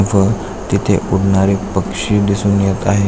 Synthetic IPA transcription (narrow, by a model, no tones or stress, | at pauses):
fəɾ | t̪it̪ʰḛʔuɽɳaɾepəkʂiːd̪isuːnjet̪aɦe